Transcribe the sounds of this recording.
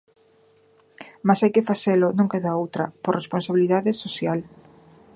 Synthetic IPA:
masajkɪfaθelʊnõŋkeðaowt̪ɾɐ̰poresponsaβiliðaðɪsosjal

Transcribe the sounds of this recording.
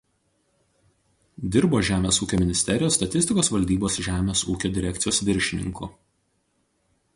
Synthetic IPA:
d̪ʲɪɾboːʒʲæːmʲeːsuːkʲoːmʲɪnʲɪsʲt̪ʲɛɾʲɪjoːst̪ɐt̪ʲɪsʲt̪ʲɪkoːsʋɐlʲd̪ʲiːboːsʒʲæːmʲeːsuːkʲoːd̪ʲɪɾʲɛkʲt̪sɪjoːsʋʲɪɾʲʃʲɪnʲɪ̰ŋkʊ̰

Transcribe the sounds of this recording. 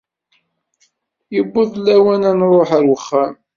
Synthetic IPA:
jəbːʊðlːæwænænɾˤoħəɾwəχːæm

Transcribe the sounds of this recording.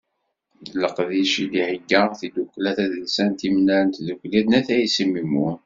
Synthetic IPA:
ððəlːəqðiʃilihəɡːæθid̪ukʷːlæθæðəlsænt̪imnæɾənt̪ðukliðnæθæjisimimːu

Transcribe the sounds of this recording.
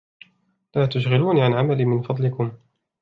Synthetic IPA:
laːt̪ʊʃɣɪluːniʕanʕamaliːmɪnfɑd̪ˤlɪkʊm

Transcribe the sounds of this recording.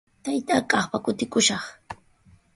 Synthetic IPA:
t̪ajt̪aːkʼɑχpakʊt̪ɪkʊʃɑχ

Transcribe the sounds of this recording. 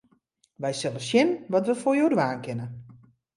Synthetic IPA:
ʋɛjsɛləsjɪnʋɔtʋəfoːjoːdʋaːnkɪnə

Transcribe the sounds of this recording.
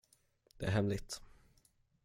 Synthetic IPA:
d̪̥ɛæɾɦɛmlɪɡt̪

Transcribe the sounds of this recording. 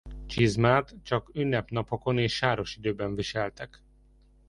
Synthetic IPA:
t͡ʃizmaːt̪t͡ʃɒkynːɛpnɒpoko̞neːʃːaːɾo̞ʃid̪øːbɛɱviʃɛlt̪ɛk

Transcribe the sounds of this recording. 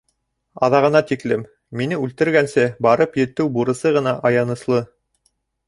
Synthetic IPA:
ɑ̰ðɑʁɤ̆nɑt̪iklɘmː | inɘʉlt̪ɘ̆ɾɡænsɘbɑɾɤpjɘ̆t̪ːɘwbuɾɤ̆sɤʁɤ̆nɑʔɑjɑnɤ̆slˠɤ

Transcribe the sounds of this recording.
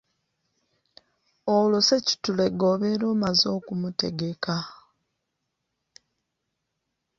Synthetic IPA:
oloseci̥tule̞ɡo̞βe̞ɾo̞ːmazo̞ːkumute̞̰ɡe̞ka

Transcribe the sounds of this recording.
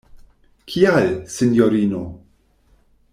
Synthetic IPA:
kʰialsinjoɾino

